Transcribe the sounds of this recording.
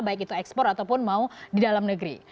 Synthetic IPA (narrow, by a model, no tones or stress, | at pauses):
baɪk̬it̪uɛkspɔrat̪awpʊnmaudidalamnəɡəɾḭ